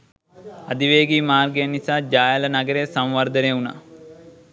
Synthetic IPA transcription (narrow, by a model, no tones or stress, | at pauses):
ɐd̪iʋeːɡiːmaːrɡejənisaːd͡ʒaːjələnɐɡəɾeːsɐmʋɐɾd̪əneːuna̰